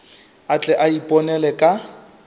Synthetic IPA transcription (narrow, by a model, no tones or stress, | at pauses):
at͡ɬʼɛʔaipʼɔnɛlɛkʼa